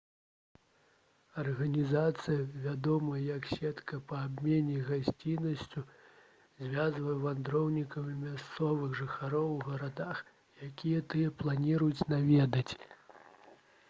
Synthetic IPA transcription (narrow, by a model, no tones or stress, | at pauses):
ɐrɣɐnʲizat̪sɨjɐvʲad̪ɔmɐjɐjɐksʲɛt̪kɐpɐːbʲmʲenʲɛɣasʲt͡sʲinɐsʲt͡sʲu | zʲvʲazvɐjɛvand̪ɾɔwnʲikɐmʲimʲast̪sɔvɨɣʐɨxaɾɔwːɣɐɾad̪ax | jakʲijɐt̪ɨjɐplˠanʲiɾujut͡sʲnavʲɛd̪ɐt͡sʲ